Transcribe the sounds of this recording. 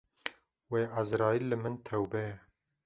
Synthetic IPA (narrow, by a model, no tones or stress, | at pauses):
weːʔazɾɑːjilːɨmɨnt̪ʰɛwbɛjɛ